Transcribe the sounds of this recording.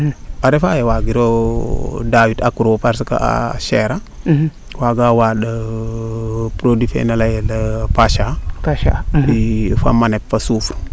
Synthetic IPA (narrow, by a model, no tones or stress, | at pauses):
aɾefajewaɡiɾo | dawitakuɾowopaɾsaka̰a̰ʃeɾa | waɡawaɗa | pɾodifḛnalajelapaʃaaaifa̰manepfasufuɾ